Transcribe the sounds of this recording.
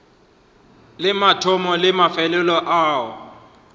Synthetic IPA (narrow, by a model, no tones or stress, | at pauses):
lɪmatʰɔmɔlɪmafɛlɛlɔʔaːɔ̰